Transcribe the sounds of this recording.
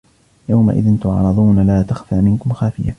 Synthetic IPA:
jawma̰ʔɪ̰ðɪnt̪ʊʕɾˤɑd̪ˤuːnalaːt̪axfaːmɪnkʊmxaːfɪja̰

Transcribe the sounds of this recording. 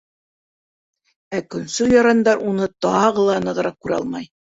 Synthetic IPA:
ækɵ̆nsɵjɒɾɑnd̪ɑɾunɤt̪ɑʁɤlˠɑnɤ̆ʁɤ̆ɾɑq̚kʉɾɑ̰lˠmɑj

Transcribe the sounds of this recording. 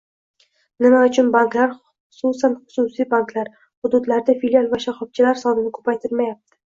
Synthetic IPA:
nɪmaʊt͡ʃʰʊnbaŋklaɾ | ʊsusanχʊ̥sʊsijbaŋkʰlaɾ | hʊd̪ʊd̪laɾd̪afilialˠvaʃaχɒb̚t͡ʃʰɪlaɾsɒnɪnɪkʰɵ̥pajt̪ʰɪɾmajap̚t̪ʰɪ̥

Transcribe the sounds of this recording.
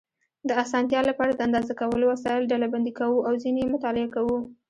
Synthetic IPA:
d̪əasɑnt̪jɑlapɑɾad̪əand̪ɑzakawəlowasɑjɪlɖalaband̪ikawuawzinjemʊt̪ɑlɪakawu

